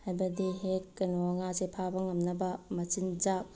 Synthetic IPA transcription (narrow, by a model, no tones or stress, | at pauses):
hajbɐdiɦekːɐnowaŋazepʰabɐŋɐmnɐbɐmɐt͡ʃind͡ʒak̚